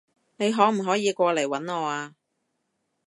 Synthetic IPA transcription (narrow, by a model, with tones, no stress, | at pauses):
ne˨˧jɦɔː˨˥m̩˨˩ɦɔː˨˥jiː˨˧kʷɔː˧le˨˩jwɐ˨˥nŋɔː˨˧aː˧